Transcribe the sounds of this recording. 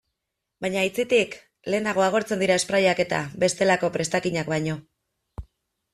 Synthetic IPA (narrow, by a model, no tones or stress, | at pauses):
bajɲait͡set̪ik | le̞ːnaɣ̞o̞aɣ̞o̞ɾt͡send̪iɾae̞spɾajake̞t̪a̰be̞st̪e̞lako̞pɾe̞st̪akiɲakbajɲo̞